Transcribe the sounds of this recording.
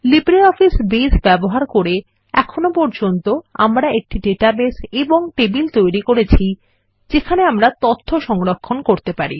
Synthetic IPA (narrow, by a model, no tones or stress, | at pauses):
libɾiɔfisbesbɛboɦaɾkoɾe | ɛkʰonopɔɾd͡ʑont̪oa̰mɾaek̚ʈiɖeʈabeseboŋʈebilt̪ojɾikoɾet͡ɕʰi | d͡ʑekʰaneamɾat̪ot̪ʰːoʃɔŋɾokʰːonkoɾt̪epaɾi